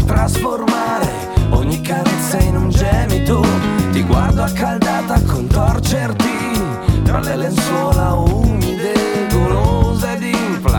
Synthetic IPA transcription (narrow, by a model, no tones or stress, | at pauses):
t̪ɾasformaɾe | ɔɲːikːaɾɛt̪sːainund͡ʒɛnit̪ot̪iɡwa̰rd̪oakːald̪aːt̪akont̪ɔrt͡ʃert̪i | t̪ɾa̰lɛlenswɔːlaumid̪eɡolozed̪iɱfla